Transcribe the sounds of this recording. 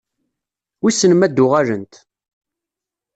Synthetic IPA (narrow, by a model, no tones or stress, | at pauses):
wisːənmæd̪ːʊʁælənt̪